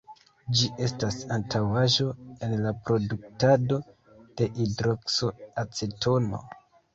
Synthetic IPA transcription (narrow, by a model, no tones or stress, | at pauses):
d͡ʒiʔe̞stasantʰawaʒo̞e̞nlapɾo̞duk̚tado̞ | d̥e̞ʔidɾokso̞at͡setʰo̞no̞̰